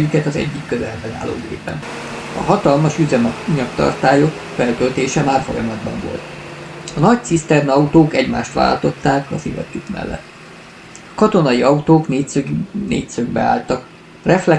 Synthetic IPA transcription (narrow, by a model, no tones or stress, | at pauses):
jykɛt̪ɒzɛ̰ɟːikːøzɛlbɛna̰ːlːo̰ːɡḛːpɛ̰n | ɒ̰ɦɒt̪ɒlmɒʃyzɛmɛɲɒkt̪ɒ̰rt̪aːjo̞k | fɛlt̪ølt̪eːʃɛmaːrfo̞jɒmɒd̪bɒ̰ɱvo̞̰lt̪ɒnɒc̚t̪sist̪ɛrnɒut̪oːkɛɟma̰ːʃt̪ʋa̰ːlt̪o̞t̪ːaːkɒsivɒ̰t̪ːukmɛ̰lːɛ̰t̪ː | ɒkɒt̪o̞nɒjiɒut̪oːknenḛːt̪søɡ̚bɛ̰a̰ːlt̪ɒk | rɛflɛ